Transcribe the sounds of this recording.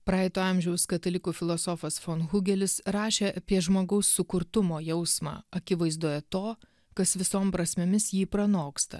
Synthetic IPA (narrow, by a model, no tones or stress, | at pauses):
pɾɑːɛɪt̪oːɐmʲʒʲɛʊskɐt̪ɐlʲɪkuːfʲɪlˠoːsɔfɐsfoːnɣʊɡʲɛlʲɪsɾɑːʃʲeːʔɐpʲiɛʒmoːɡɐʊsːʊkʊɾt̪ʊmoːjɛʊsmɑ̰ːɐkʲɪʋɐɪzd̪uɔjɛt̪oː | kɐsʋʲɪsoːmpɾɐsʲmʲemʲɪsjiːpɾɐnoːkst̪ɐ̰